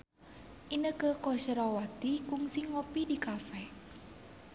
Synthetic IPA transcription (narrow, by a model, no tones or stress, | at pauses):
ʔinəkəkɔʃəɾawat̪ikuŋsiŋɔpidikafɛ